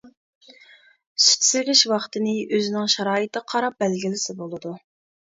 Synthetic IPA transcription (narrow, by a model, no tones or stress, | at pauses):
sy̥t̪sɪɾʲɪʃwɑχt̪ɨnɪʔøzɪnɪŋʃɑɾɑːɪt̪ʰɨqʰɑɾɑp̚bɛlɡʲilɪsɪbolˠɨd̪u